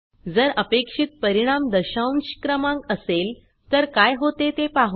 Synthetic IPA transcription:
d͡zəɾəpekʂit̪̚pəɾiɽ̃amd̪əɕawnɕi̥kɾəmãŋkəsel | t̪əɾkajɦot̪et̪epaɦ

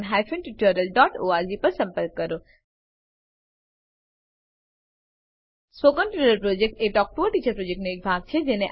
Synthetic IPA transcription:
nɦajfʰenʈiʈəɾəlɖɔʈoaɾd͡ʒipəɾsə̃mpəɾkːəɾo | sʋokənʈiɾəɾpɾod͡ʒek̚ʈeʈɔk̚ʈuəʈit͡ʃəɾpɾod͡ʒek̚ʈnoek̚bʱaɡ̚t͡ʃʰed͡ʒeneʔ

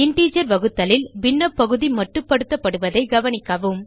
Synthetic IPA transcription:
ɪɳʈiːd͡ʒɐɾʋɐɣɯt̪ːɐlɪlbɪnːɐpːɐɣɯðimɐʈːɯpɐɽɯt̪ːɐpːɐɽɯʋɐðɐɪɡɐʋɐnɪkːɐʋɯm

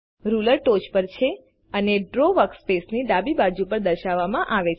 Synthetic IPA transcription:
ɾuləɾʈot͡ʃpəɾt͡ʃʰe | əneɖɾoʋəkspesnid̪abibad͡ʒupəɾd̪əɾʃaʋːamãʔaʋe

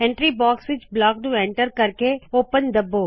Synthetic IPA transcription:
ɛ̃ɳʈɾiːbɔːksʋɪt͡ʃblɔːk̚nũːɛ̃ɳʈəɾkəɾkeoːpənd̪əbːoː

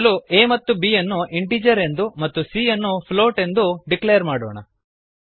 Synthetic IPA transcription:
lueːmɐt̪ːubiːjɐnːuʔiɳʈiːd͡ʒɐɾe̞nd̪umɐt̪ːusiːɐnːupʰloːʈe̞nd̪uɖiklejɐɾmaːɽoːɳɐ̰

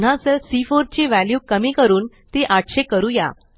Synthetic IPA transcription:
n̤ãəselsifoɾt͡ɕeʋæljuːkəmiːkəɾuːn | t̪eʔaʈɕekəɾuːja̰

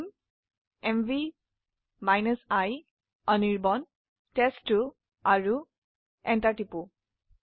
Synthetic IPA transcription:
m | emvi | majnəsaj | ɔniɹbɔn | tesʈːu | aɹu | ɛntaʈipu

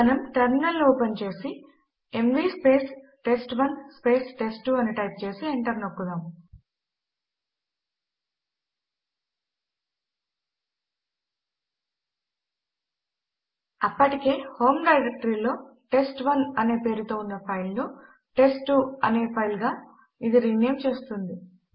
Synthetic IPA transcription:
ɐnɐmʈɐɾminɐlːoːpent͡ʃe̞ːsi | emʋiːspe̞ːsʈe̞sʈʋɐnspe̞ːsʈe̞sʈːuːɐniʈɐjp̚t͡ʃe̞ːsieɳʈɐɾnɐkːud̪aːm | ɐpːɐʈike̞ːho̞ːmɖɐjɾek̚ʈɐɾiːlo̞ːʈe̞sʈʋɐnɐne̞ːpe̞ːɾut̪o̞ːunːɐpʰɐjlnu | ʈe̞sʈːuːɐne̞ːpʰɐjlɡaː | id̪iɾiːneːmt͡ʃe̞ːst̪und̪i

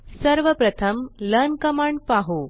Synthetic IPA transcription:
səɾʋəpɾət̪ʰəmlənkəmaɳɖpaɦo

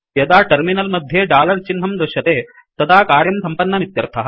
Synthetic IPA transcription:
jɐd̪aːʈɐɾminɐlmɐd̪ʱjeɖaːlɐɾt͡ʃinɦɐmd̪ɾɐʃɐt̪eː | t̪ɐt̪ʰaːkaːɾjɐmsɐmpɐnːɐmit̪jɐɾt̪ʰɐɦɐ

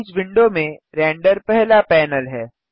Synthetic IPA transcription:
sʋɪ̃ɳɖomẽ | ɾɛ̃ːɳɖəɾpɛɦlapɛːnəlɦɛː

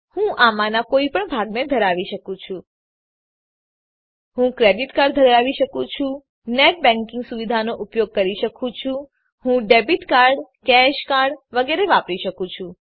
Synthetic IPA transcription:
hũʔamanakoipəɳbʱaɡned̪ʱəɾaʋiʃəkũt͡ʃʰũ | ɦũkɾeɖiʈkaɾɖd̪ʱəɾaʋiʃəkũt͡ʃʰũ | neʈ̚bɛ̃ŋkɪ̃ŋɡsuʋid̪ʱanoʔupjoɡ̚kəɾiʃəkʰũt͡ʃʰũ | hũɖebiʈkaɾɖkɛʃkaɾɖʋəɡeɾeʋapɾiʃəkũt͡ʃʰũ

